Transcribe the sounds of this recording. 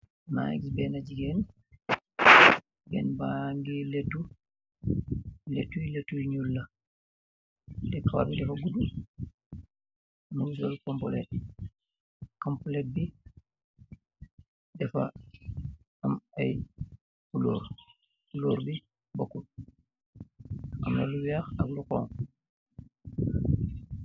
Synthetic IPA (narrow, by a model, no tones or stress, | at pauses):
na̰ɛ̰ksbɛnad͡ʒiɡɛn | ɡɛ̰nbaŋɡiletːu | letːuiletːuɲulːa | dɛkawa̰bidɛfaɡudu | nud͡ʒɔlkɔmpɔlɛ̰t̚ | kɐmpulɛt̚bi | dɛfɐ̰ | ɐmɐj | bulɔ̰ːɾ | ulɔːɾbi | bokːu | ɐ̰mnɐ̰luwiaːxɐɡlukɔ̰ːŋ